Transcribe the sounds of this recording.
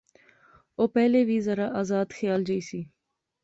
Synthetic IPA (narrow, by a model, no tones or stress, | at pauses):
oːpɛːleːʋiːzəɾaːʔaːzaːd̪xʰjaːld͡ʒəiːsiː